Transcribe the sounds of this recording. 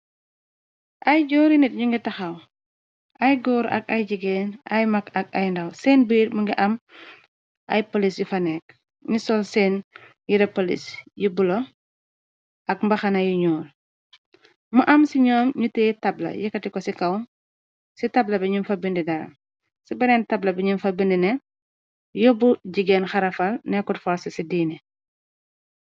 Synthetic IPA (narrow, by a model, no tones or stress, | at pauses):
ʔɐjɟɔːɾinit̚ɲuŋɡitɐxɐw | ʔɐjɡɔːɾɐ̰kɐjɟiɡɛːnʔɐjmɐkɐk̚ɐjndɐwsɛːnbiːɾmuŋɡiʔɐm | ʔɐ̰jpolisjifɐnɛk̚ | ɲusɔlsɛːnjiɾɐpolḭsjibulo | ɐkmbɐxɐnɐjuɲuːl | muʔɐmsiɲɔːmɲutɛːtɐblɐ̰jɛkɐtikɔsikɐw | sitɐblɐbɛɲunfɐbindidɐɾɐ̰ | sibɐɾɛːntɐblɐbɛɲunfɐbindinɛ | jɔbuɟiɡɛːnxɐɾɐfɐlnɛkutfɔɾsɐsidiːnɛ